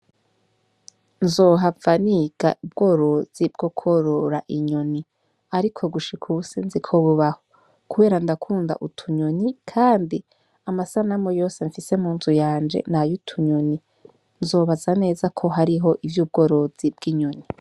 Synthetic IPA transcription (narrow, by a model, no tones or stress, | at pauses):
nzoːɦavaniɡ̥a̰ʔub̚ɡ̥o̞ːɾo̞z̥ib̚ɡ̥o̞kʰo̞ɾoɾaʔiɲo̞ni | aɾikʰo̞ɡuʃikʰusinzikʰoβuβaho | kuβe̞ːɾandakʰuːnda̰ʔutʰuɲonikʰaːndi | amasanamojo̞ːse̞ɱfise̞muːnzujaːnd͡ʒe̞̰najutʰuɲoni | nzo̞ːβazane̞ːzakʰo̞ɦaɾiɦo̞ʔivjuːb̚ɡo̞ːɾo̞z̥ibɡ̥iɲoni